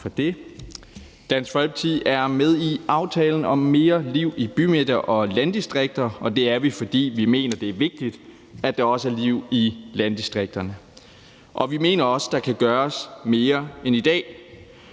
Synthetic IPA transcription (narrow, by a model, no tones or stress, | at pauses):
fɒ̽d̥e̝ | d̥æn̰sfɒlb̥̚t͡sʰiæɐmeð̞ˠiɑ̈ʊt͡sʰɛ̰ːln̩ɒ̽mːe̝ːɐliʊ̰ib̥ymed̥ɐʔɒ̽lænd̥isd̥ʁeɡ̥̚d̥ɐɒ̽d̥e̝æɐʋifɒ̽d̥ḭːʋime̝̰ːnɐd̥e̝æɐʋe̝ɡ̥̚d̥id̥ | æd̥ɑ̈ɒ̽səæɐliʊ̰ilænd̥isd̥ʁeɡ̥̚d̥ɐnə | ʔɒ̽ʋime̝̰ːnɐɒ̽sə̥d̥ɑ̈kʰæɡ̥ɶːɐsme̝ːɐenid̥ɛ̰ː